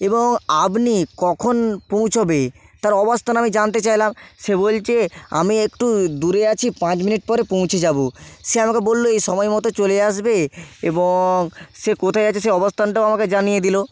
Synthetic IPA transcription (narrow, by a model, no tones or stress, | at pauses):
eboŋabnikɔkʰonpõw̃t͡ɕʰobet̪aɾɔbost̪ʰanamid͡ʑant̪̬et͡ɕajlamʃebolt͡ɕea̰miekʈud̪uɾeat͡ɕʰipãt͡ɕminiʈ̚pɔɾepõw̃t͡ɕʰed͡ʑaboʃeamakebolːoejʃɔmɔjmɔt̪ot͡ɕoleaʃbeeboŋʃekot̪ʰajat͡ɕʰeʃeɔbost̪ʰanʈaoamaked͡ʑanijed̪ilo